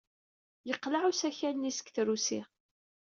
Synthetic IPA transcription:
jəqːlaʕusæçænnisə̥kθɾusi

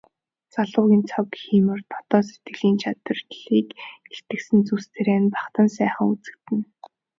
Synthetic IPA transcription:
t͡saɮʊːɣʲiːnt͡sʰɔkxiːmɘ̆rt̪ʰɔ̥t̪ɔːset̪ɡɘ̆ɮiːnt͡ɕʰat̪ə̆rɮiːkɡeɬt̪ɘ̆ksɘ̆nt͡sust̪ʰeɾeːnpaχt̪ə̆nsæːχə̆ŋut͡sɘ̆k̚t̪ɘ̆n

